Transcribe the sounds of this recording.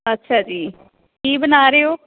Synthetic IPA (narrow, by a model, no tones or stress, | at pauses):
ətːʃʰaːd͡ʒiː | kiːbənaːɾeːoː